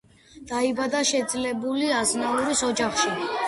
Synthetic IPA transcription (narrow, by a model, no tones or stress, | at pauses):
d̪̥aibad̪aʃɛd̪zlɛbuliaznalˠuɾisɔd͡ʒaχʃi